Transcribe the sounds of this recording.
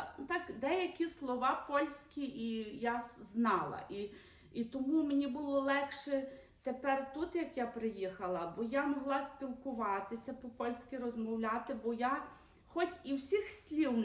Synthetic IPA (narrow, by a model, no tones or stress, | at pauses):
t̪ɑkd̪ɛjɐkʲislˠɔʋɑpɔlʲsʲkʲiʔijaznɑlˠɐ̰ʔi | it̪ɔmumenʲibʊlˠɔlˠɛkʃɛ | t̪epɛrt̪ut̪jɐkjapɾɪjixɐlˠɐbɔjamɔɦlˠɑsʲpʲilˠkʊʋɑt̪ɪsʲɐpɔpɔlʲsʲkʲirɔzmɔwlʲɑt̪ɪbɔja | xɔtʲiwsʲixsʲlʲiwn